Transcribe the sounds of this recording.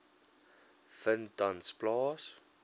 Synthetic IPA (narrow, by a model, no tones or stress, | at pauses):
fəndansplɑːs